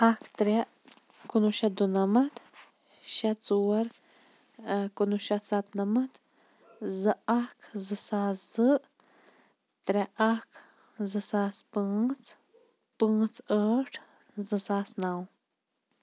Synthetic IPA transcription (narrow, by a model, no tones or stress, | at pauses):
ɐkʰt̪ɾʲe | kunuʃɐd̪unɐmɐt̪ | ʃɐt͡suːɐɾ | kunuʃɐsɐt̪nɐmɐt̪ | zɨɐkʰzɨsaːszɨ | t̪ɾʲɐʔɐkʰ | zɨsaːspɨːt͡s | pɨ̃ːt͡səʈʰ | zɨsaːsnaw